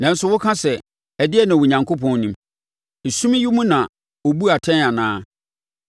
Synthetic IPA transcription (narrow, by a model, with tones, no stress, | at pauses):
nã˨n̩˦sʊ˦wʊ˦kʰã˦sɛ˨ | ɛ˨dɪ˦ɛ˦nã˨wʊ˨ɲã˨ŋkʰo˦pʰɔ̃˨n˦nĩ˨˦m | e˨sũ˦mĩ˦ji˦mũ˦nã˨ | o˨bu˦a˨tʰɛ̃˦a˨nãː˦